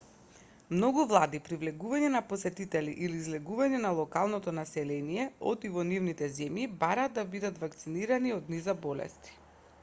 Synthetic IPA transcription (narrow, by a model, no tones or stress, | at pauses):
mnɔɡuvlˠad̪ipɾivlɛɡuvaɲɛnapɔsɛt̪it̪ɛlḭʔiliːzlɛɡuvaɲɛnalˠɔkalˠnɔt̪ɔnasɛlɛnijɛɔ̰t̪ivɔnivnit̪ɛzɛmjibaɾaːd̪ːabid̪at̪vakt̪siniɾaniɔd̪nizabɔlɛ̰st̪i̥